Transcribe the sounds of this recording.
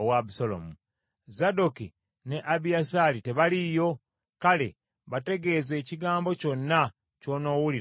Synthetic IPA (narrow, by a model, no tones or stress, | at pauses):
owabusolo̰mu | zadoki | ne̞ʔaβijasalite̞βalijo̞ | kale̞̰ | βate̞ɡe̞ze̞ːciɡaːmbo̞co̞nːa | co̞ːno̞ːwuli